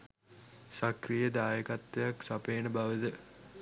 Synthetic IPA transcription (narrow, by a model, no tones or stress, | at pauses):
sakrijəd̪aːjəkat̪ːejaksapeːnəbaʋəd̪ə